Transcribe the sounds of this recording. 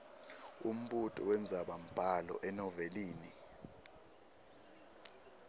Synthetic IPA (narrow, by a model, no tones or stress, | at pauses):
um̩ɓutʼɔwɛnd͡zʱaɓam̩pʼalɔ̰ʔɛnɔveliːni